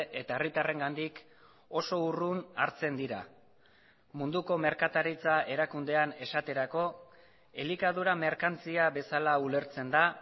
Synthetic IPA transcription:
ʔe̞t̪ae̞rit̪are̞ŋɡand̪ik | o̞so̞urunaɾt͡se̞nd̪iɾa̰ | mund̪uko̞me̞ɾkat̪aɾit͡sae̞ɾakund̪e̞ane̞sat̪e̞ɾako̞ | e̞likað̞uɾame̞ɾkant͡siaβe̞salaule̞ɾt͡se̞nd̪a

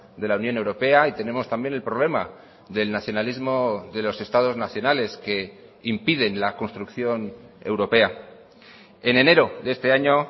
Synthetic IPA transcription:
ðe̞launjo̞ne̞wɾo̞pe̞ait̪e̞ne̞mo̞st̪ambjene̞lpɾo̞β̞le̞ma | ðe̞lnaθjo̞nalizmo̞ðe̞lo̞se̞st̪að̞o̞znaθjo̞nale̞ske̞ | impiðe̞nlako̞nst̪ɾukθjo̞ne̞̰wɾo̞pe̞a | e̞ne̞ne̞ɾo̞ðe̞st̪e̞aɲo̞

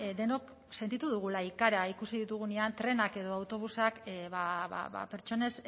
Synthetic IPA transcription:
d̪e̞no̞k | se̞nt̪it̪uðuɣ̞ulaikaɾaikusiðit̪uɣ̞uneant̪ɾe̞nake̞ðo̞awt̪o̞β̞usakβaβa̰βa̰pe̞ɾt͡ʃo̞ne̞s

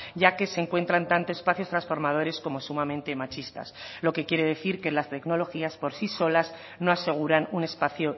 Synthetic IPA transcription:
ɟ͡ʝake̞seŋkwe̞nt̪ɾant̪ant̪oespaθjost̪ɾansfo̞ɾmað̞o̞ɾe̞sko̞mo̞sumãmẽnt̪e̞mat͡ʃist̪a̰sloke̞kje̞ɾe̞ðe̞θiɾke̞last̪e̞kno̞lo̞xiaspo̞ɾsiso̞laz | no̞ase̞ɣ̞uɾanune̞spaθjo

